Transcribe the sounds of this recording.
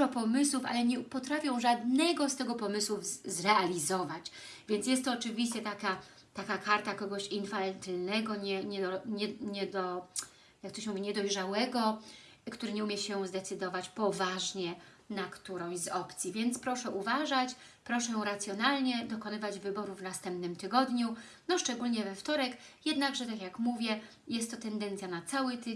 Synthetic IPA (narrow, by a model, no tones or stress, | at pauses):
ɔpɔmɘswufʔa̰lɛɲɛpɔt̪ɾafʲjɔ̃w̃ʐad̪nɛɡɔst̪ɛɡɔpɔmɘswuvzɾɛalʲizɔvat͡ɕvʲjɛnt̪jɛst̪ːɔːt͡ʂɘvʲiɕt͡ɕɛt̪aka | t̪akakaɾt̪akɔɡɔɕinfalɛnt̪ɛlnɛɡɔɲɛɲɛɔɲɛɲɛd̪ɔ | jakːt̪ɔɕmuvʲiɲɛd̪ɔjʐawɛɡɔ | kt̪uɾɘɲɛumʲjɛɕɛzd̪ɛt̪sɘd̪ɔvat͡ɕpɔvaʐɲɛ | nakt̪uɾɔ̃w̃ɕzɔpt̪sʲjivʲjɛnt̪spɾɔʂɛʔuvaʐat͡ɕ | pɾɔʂɛjɔ̃w̃ɾat̪sʲjɔnalɲɛd̪ɔkɔnɘvad͡ʑvɘbɔɾuvnast̪ɛmpnɘmt̪ɘɡɔd̪ɲu | nɔʂt͡ʂɛɡulɲɛvɛft̪ɔɾɛkjɛd̪naɡʐɛt̪akjakmuvʲjɛ | jɛst̪ːɔt̪ɛnd̪ɛnt̪sʲjanat̪sawɘt̪